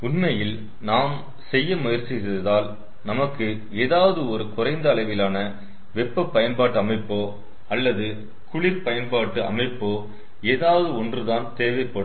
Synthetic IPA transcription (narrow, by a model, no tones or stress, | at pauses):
ʊnmɐjɪl | naːm | sɛjːɐmʊjɐɾt͡ʃːɪɪðaːl | nɐmɐkːɯ | eːðaːʋɐðɯɔɾɯkʊrɐɪnd̪ɐːlɐɪʋɪlaːnɐ | ʋɛpːɐpːɐjɐnpaːʈːɯɐmɐɪpːoː | ɐlːɐðɯ | kʊɭɪɾpɐjɐnpaːʈːɯʔɐ̰mɐɪpːoː | eːðaːʋɐðɯɔndrɯðaːnt̪eːʋɐɪpːɐɽɯ